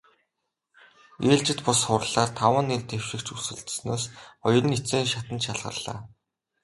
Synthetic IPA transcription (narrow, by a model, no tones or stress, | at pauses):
eːɮt͡ɕɪ̆t̪pʊsχʊrɮaːrt̪ʰawə̆nːert̪ew̥ʃɪ̆kt͡ɕusɘ̆ɮt̪snoːsɔj̆rɞ̆nit͡seːŋʃat̪ə̆nt̪ʃaɮʁə̰̆rɮ̥a̰ː